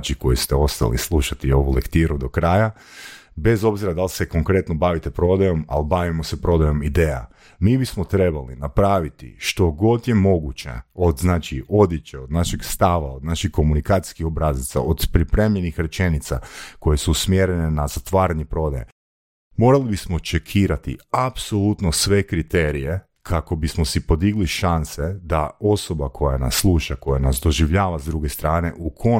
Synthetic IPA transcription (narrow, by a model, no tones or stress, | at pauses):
t͡ʃiko̞jest̪eo̞st̪a̰lḭslˠuʃat̪io̞ʋulekt̪iːɾud̪o̞kɾaja | be̞zo̞bziɾad̪alseko̞ŋkɾe̞t̪nobaʋit̪epɾo̞d̪ajo̞ma̰libaʋimosepɾo̞d̪ajo̞mid̪eːja̰ | miːbismot̪ɾe̞balḭnapɾaːʋit̪ḭʃt̪o̞ɡo̞t̪jemo̞ɡut͡ʃḛod̪znaːt͡ʃio̞d̪jet͡ɕeod̪naʃiɡst̪aʋa̰od̪naʃixko̞munikaːt̪i̥skixobɾazit̪sa̰ʔod̪pɾipɾeːmʎenixɾe̞t͡ʃenit̪sa̰ko̞je̞suːsmjeɾenenazat̪ʋaːɾaɲepɾo̞d̪a̰jḛ | mo̞ɾalibismot͡ʃekʰiːɾat̪ḭapso̞lut̪nosʋe̞kɾit̪e̞ɾije̞ | kʰako̞bismosipo̞d̪iɡliʃansed̪ao̞so̞bakʰo̞jana̰sːlˠuːʃako̞janasd̪o̞ʒiʋʎaːʋazd̪ɾuɡest̪ɾaːne̞ʔukʰo̞